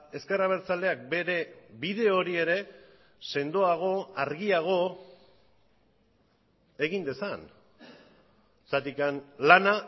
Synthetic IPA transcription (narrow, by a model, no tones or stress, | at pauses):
e̞ske̞raβ̞e̞ɾt͡sale̞ak̚be̞ɾe̞bið̞e̞o̞ɾie̞ɾe̞ | se̞nd̪oaɣ̞o̞aɾɣiaɣ̞o̞ | e̞ɣind̪e̞san | sat̪ikanlana